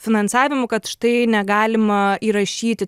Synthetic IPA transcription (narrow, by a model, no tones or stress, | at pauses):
fʲɪnɐnsɑːʋʲɪmʊkɐt̪ʃɪ̥t̪ɐɪnʲɛɡɑːlʲɪmɐiːɾɐʃʲiːt̪ʲɪ